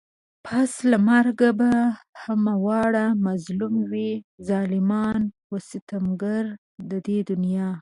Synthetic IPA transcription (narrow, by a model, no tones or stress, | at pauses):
pʰaslamaɾɡabahamawɑɽamazlumwizɑlɪmɑnwəsɪt̪amɡaɾ | d̪əd̪ed̪ʊnjɑ